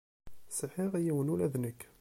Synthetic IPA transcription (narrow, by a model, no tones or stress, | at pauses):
səħiʁijiwənulæðnəkː